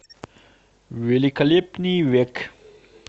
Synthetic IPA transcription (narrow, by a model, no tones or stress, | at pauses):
ʋelikalepniʋek